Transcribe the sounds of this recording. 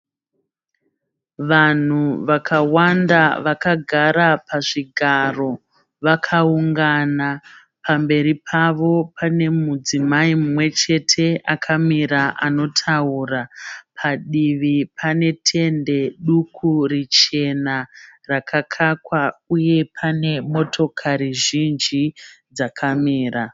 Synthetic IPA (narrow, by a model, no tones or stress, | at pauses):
ʋan̤uʋakʰawandaʋakaɡʱaɾapaʐiɡʱaro̞ | ʋakʰauŋɡana | pambe̞ɾipʰaʋo̞pʰane̞mud͡zimaimumwe̞t͡ʃe̞tʰe̞ʔakʰamiɾaʔano̞tʰauːrapʰaɗiʋipʰane̞tʰe̞nde̞ɗukʰurit͡ʃe̞narakʰakʰakwauje̞pʰane̞mo̞tʰo̞kʰaɾiʒind͡ʒid͡zakʰamiːra